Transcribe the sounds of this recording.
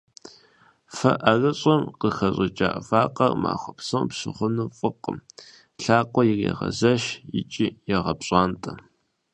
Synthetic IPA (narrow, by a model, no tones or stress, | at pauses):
fɐʔɐrɐɕʼɐmqəxɐɕʼɪt͡ʃʼa̰ːʔvaːqʼɐrma̰ːχʷɔpsowpɕɨχʷʊnuːfʼɨqʼə̰m | ɬaːqʷɔjɪrjɛ̰ʁɐ̰zɐʃɪ̰t͡ʃʼijɛʁɐpɕʼaːntʰʼɐ